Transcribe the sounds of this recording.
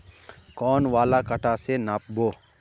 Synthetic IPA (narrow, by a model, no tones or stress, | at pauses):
kɔːnʋaːlakɐʈasenap̚boː